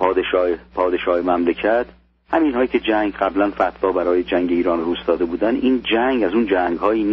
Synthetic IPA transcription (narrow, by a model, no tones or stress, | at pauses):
ɒːd̪eʃɒːepʰɒːd̪eʃɒːhemæmlecʰæt̪ʰ | hæmiːnhɒːjiːcʰe̞d͡ʒæŋɡɢæblænfæt̪ʰvɒːbæɾɒːjed͡ʒæŋɟe̞iːɾɒːnruːsd̪ɒːd̪e̞buːd̪ænʔiːnd͡ʒæŋɡæzuːnd͡ʒæŋɡhɒːjiːnː